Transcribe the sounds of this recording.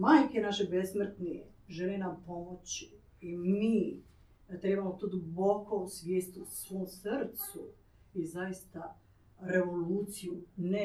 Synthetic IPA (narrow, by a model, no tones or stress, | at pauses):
maːjkenaʃebe̞smrt̪niḛ | ʒelinampo̞mot͡ɕi | imiː | t̪ɾebamot̪oːd̪ubo̞kousʋʲjeːst̪usʋoːmsɾt̪su | izajist̪a | ɾe̞ʋo̞luːt̪sijune